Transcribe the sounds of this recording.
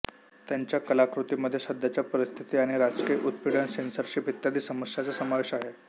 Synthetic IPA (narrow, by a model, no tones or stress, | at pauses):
t̪jaɲt͡ɕjakəlakɾut̪iməd̪ʱːjesəd̪ʱjat͡ɕjapəɾist̪ʰit̪iːaɽ̃iɾad͡zkijəʔut̪̚piɽənsensəɾɕiːpit̪ːjad̪iːsəməsjat͡səsəmaʋeɕaɦe